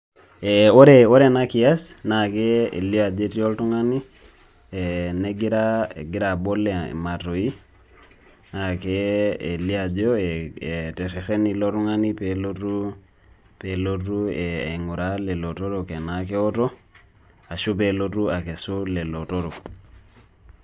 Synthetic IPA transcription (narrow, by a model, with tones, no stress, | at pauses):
eo˦ɾeo˦ɾenaki˨a˦snake˦ḛ˨li˦a˨d͡ʒeti˦o˦ltu˦ŋa˦ni˦ | eneɡiɾa̰ɡi˦ɾa˨bo˦lːḛma˨to˨i˦ | nakee˨li˦a˨d͡ʒo˦eete˨ɾe˨ɾe˦ni˦loɾu˦ŋani˦pelotu˦ | pelotu˦e˨ḛ˨ŋu˨ɾale˨lo˨to˦ɾoke˨nake˦o˦to˦ | a˨ʃu˦p̬elotu˦a˨ke˨su˦le˨loto˦ɾo˨